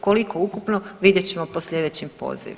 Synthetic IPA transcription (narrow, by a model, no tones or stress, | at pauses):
koliko̞ukupnoʋid̪jet͡ɕemoposʎʲe̞d̪et͡ɕimpo̰zḭ